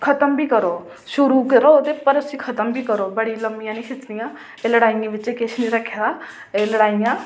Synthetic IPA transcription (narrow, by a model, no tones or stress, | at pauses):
kʰət̪əmbʱiːkəɾoː | ʃʊɾuːkeɾoot̪epəɾʊsĩːkʰət̪əmbʱiːkəɾoːbəɽiləmbijãːnĩːsɪt͡ʃnijãː | eləɽaːijãːʋɪt͡ʃẽːket͡ʃʰnĩːɾəkʰːeːd̪aː | eləɽaːijãː